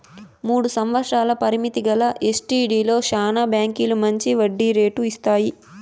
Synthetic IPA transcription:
muːɽusɐmʋɐtʂaːlɐpɐɾimit̪iɡɐlɐʔesʈiːɖiːlo̞ːʃaːnabjaːŋkilumɐɲt͡ʃiʋɐɖːiɾe̞ːʈuist̪aːji

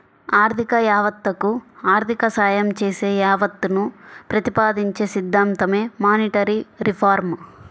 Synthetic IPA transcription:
aːɾt̪ʰikɐjaːʋɐt̪ːɐkuaːɾt̪ʰikɐsaːjɐmt͡ʃeːseːjaːʋɐt̪ːunupɾɐt̪ipaːd̪iɲt͡ʃeːsid̪ːaːnt̪ɐme̞ːmaːniʈɐɾiɾipʰaːɾm

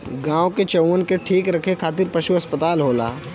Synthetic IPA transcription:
ɡãːoket͡ʃɐənkeʈʰiːkɾɐkʰekʰaːt̪̬ɪɾpɐʃuɐspət̪aːlɦoːla̰ː

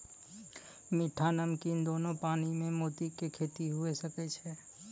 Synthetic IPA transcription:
mɪʈʰanəmkind̪oːnõpaːnimẽmoːt̪ikekʰeːt̪iɦʊesəkɛt͡ʃʰɛ

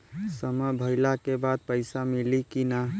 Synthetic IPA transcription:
səməbʱəɪlakebad̪̚pəɪsamilikina

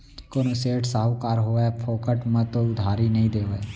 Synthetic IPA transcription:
koːnõseːʈsaːɦukaːɾɦoːepʰoːkəʈmə̃t̪oʊd̪ʱaːɾinəɦĩd̪eːʋe

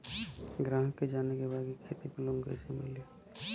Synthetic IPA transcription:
ɡɾãːɦəkːed͡ʒaːnekebaːɡikʰeːt̪ipəlõŋɡə̰semɪ̰le

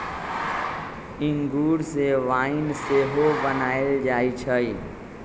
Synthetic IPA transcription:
ɪŋɡuːɽseʋaːɪnseɦobənaːeld͡ʒaːit͡ʃʰəi

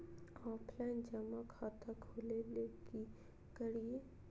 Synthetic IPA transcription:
ɔːpʰlaɪnd͡ʒɐmakʰaːt̪ʰakʰoleleɡi | kəɽie

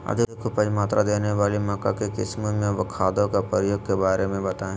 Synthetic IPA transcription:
ɐ̰d̪ʱɪkʊpəd͡ʒmaːt̪ɾad̪eːneʋaːlimɔkakekɪ̰smemẽʋɐkʰaːd̪õkapəɾəjoːɡ̚kebaːɾemẽbɐt̪aːẽ

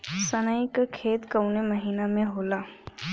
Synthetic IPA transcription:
sənajkakʰeːt̪kəʊneməɦiːnamẽɦoːlaː

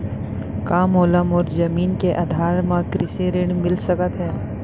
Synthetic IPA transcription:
kaːmoːləmɔːɾd͡ʒɐmiːnkeʔad̪ʱaːɾmãkɾɪseɾɪɳ̃mɪlsəkət̪ɦɛː

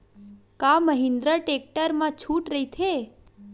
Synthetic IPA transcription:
kaməɦind̪ɾaʈek̚ʈəɾmãt͡ʃʰuʈɾəɦit̪ʰe

